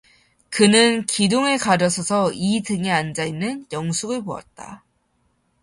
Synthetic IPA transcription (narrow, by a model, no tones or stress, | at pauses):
kɯnɯnkidoŋekaɾjʌsʰʌsʰʌitɯŋeand͡ʑainːɯnjʌŋsʰuɡɯɭpoa̰t̚t͈a̰